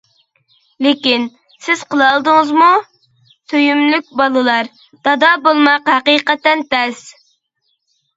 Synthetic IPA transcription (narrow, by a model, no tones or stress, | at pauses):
lɪkʲin | sɪz̥qəlˠɑlˠd̪ɨŋəzmu | søjymlyk̚ʲbɑlˠɨlˠɑɾ | d̪̥ɑd̪ɑːbolˠmɑqhɛqiːqɛt̪ɛnt̪ɛs